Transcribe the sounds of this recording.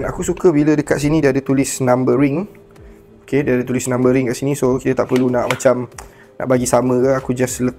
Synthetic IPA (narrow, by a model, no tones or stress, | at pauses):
nakusukəbilədəka̰t̪̚sinĩdiadət̪ulɪsnãmbəɾɪŋ | okediadət̪ulɪsnãmbəɾɪŋkaʔsinĩsokit̪ət̪aʔpərlunaʔmat͡ʃam | na̰ʔbaɡisamə̃kaakud͡ʒaslə